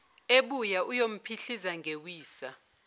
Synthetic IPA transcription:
eɓujaʔujom̩pʰiɬizaŋɡʱewiːsa

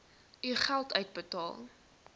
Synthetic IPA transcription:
yχælˠtœɥt̚bətɑ̰ːlˠ

